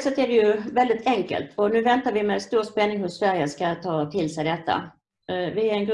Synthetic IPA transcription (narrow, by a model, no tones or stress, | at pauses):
sɛt̪ʰɪːdɛjɵvɛld̪ɪt̪ʰɛŋkə̰lt̪ʰɔnʉ̟ːvɛnt̪aɾvɪmɛst̪uːɾspɛnːɪŋhʊsːvæɾjəskat̪ʰɑːt̪ʰɪlsɛɪd̪ɛt̪ːa̰ | vɪæɾɛnɡɾ